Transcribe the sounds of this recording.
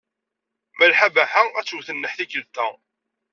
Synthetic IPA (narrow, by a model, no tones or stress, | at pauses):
məlħabæħaæt͡sːwθənːəħθikːəlt̪æ